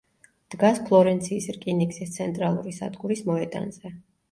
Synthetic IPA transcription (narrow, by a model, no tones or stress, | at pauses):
d̪̥ɡaspʰlˠɔɾɛnt̪sʰiːsɾkʼiniksist̪sʰɛnt̪ʼɾalˠṵɾisa̰d̪ɡuɾismɔɛt̪ʼa̰nz̥ɛ